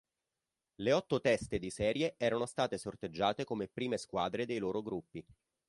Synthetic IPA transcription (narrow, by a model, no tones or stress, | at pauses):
leɔt̪ːot̪ɛst̪ed̪isɛːɾjeʔɛːɾanost̪aːt̪esort̪ed͡ʒːaːt̪ekomepɾiːmeskwaːd̪ɾed̪ejloːɾoɡɾupːi